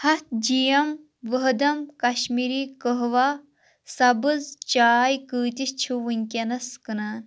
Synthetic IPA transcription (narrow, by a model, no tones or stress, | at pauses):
hɐt̪̚d͡ʒijɐm | ʋəɦd̪ɐmkɐʃmiɾiːkəɦʋa | sɐbɨzt͡ʃaːjkɨːt̪ist͡ʃʰuʋɨŋʲkʲɐnɐskɨnaːn